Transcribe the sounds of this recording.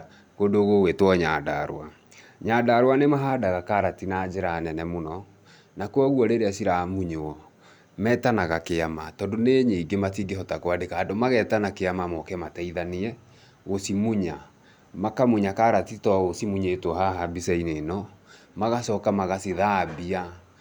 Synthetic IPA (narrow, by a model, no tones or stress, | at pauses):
ɣodoɣowetwɔɲadaɾo̰a | ɲaːdaɾwanemaɦaːdaɣakaɾatinaːd͡ʒeɾanɛnɛmonɔ | nakwɔɣwɔɾeɾeasiɾamuɲoɔ | mɛːtanaɣakeamatɔndoneɲeiɡematiːɡeɦɔtakwadekaːdomaɣɛtanakeamamɔkɛmataiðaniɛ | ɣosimuɲa | makamuɲakaɾatitɔɣosimuɲetohaɦabisɛinenɔ | maɣasɔkamaɣasiðabia